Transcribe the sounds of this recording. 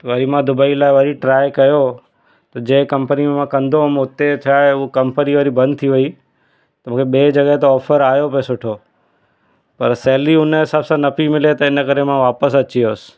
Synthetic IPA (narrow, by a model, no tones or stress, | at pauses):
ʋɐɾimãd̪ʊbaːilaːɪʋɐɾiʈɾaːɪkɐjo | t̪ɐd͡ʑẽːkɐmpənimẽmãkɐ̃nd̪omʊt̪et͡ʃʰaːeʊokɐ̃mpəniʋɐɾibɐ̃nd̪̚t̪ʰiʋɐi | t̪ɐmũːkʰeɓeːd͡ʑɐɠəɦt̪̬eɔːfʰəɾaːjopesʊʈʰoː | pɐɾsɛɦliʊnəɦɪsaːbsãnɐpimɪlet̪ɐɪnəkɐɾemãʋaːpəs̬ɐt͡ɕioːsɪ̥̆